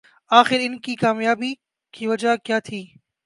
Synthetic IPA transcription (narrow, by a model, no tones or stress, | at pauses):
aːxɪɾɪnkiːkaːmjaːbi | kʰiːʋɐd͡ʒʱakjaːt̪ʰiː